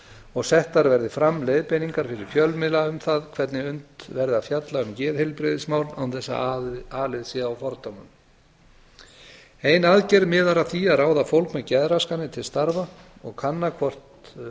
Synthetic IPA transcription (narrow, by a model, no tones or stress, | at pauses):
ɔɣsɛht̪ːaɾvɛɾðɪfɾamlejðpejniŋkaɾ̥fɪɾɪɾ̥fjœlmɪlaʏmθaðkʰvɛt̪nɪʏnt̪vɛɾðɪaðfjat̪laʏmcɛːðhɪlpɾɪðɪsmawɾnawnθɛsːa̰aːlɪðsiðawfɔɾt̪owmʏm | ejnaðcɛɾmɪːðaɾaθiaðɾaːwðafowlkmɛðcɛðɾaskanːɪt̪ʰɪlst̪aɾvaɔɣkʰanːakʰvɔr̥t̪